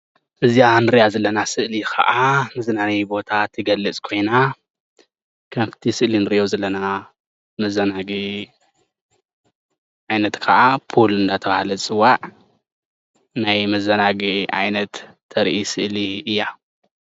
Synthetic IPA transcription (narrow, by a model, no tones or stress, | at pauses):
ʔɨzijanɨɾijazɐlːɐnasɨʔlikʰɐ̰ʔamɐzɐnaɡibo̞t̪ʰat̪ʰːɨɡɐlːɨt͡sʼkʰo̞jna | kʰɐmft̪ʰisɨʔlinɨɾɨʔozɐlːɐna | mɐzɐnaɡi | ʔʕajnɐt̪kʰɐʔapʰolɨnd̪at̪ʰɐβahalɐt͡sʼɨwːaʕ | najmɐzɐnaɡiʔa̰jnɐt̪ʰː | ɐɾʔisɨʔliɨjːa